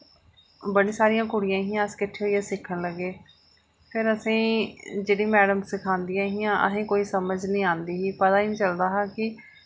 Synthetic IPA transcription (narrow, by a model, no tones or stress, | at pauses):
bəɽĩːsaːɾijãːkʊɽɪjãːɦɪjãːəskɪʈʰːeːoːiːaːsɪkʰːəɳləɡːeː | pʰɪɾəsĩːd͡ʒeːɽiːmɛːɽəmsɪkʰãːnd̪ijãːɦɪjãːʔə̰ɦẽːkoːiːsəməd͡ʒnĩːãːnd̪iːɦiːpət̪aːiːnĩːt͡ʃəld̪aːɦaːkɪ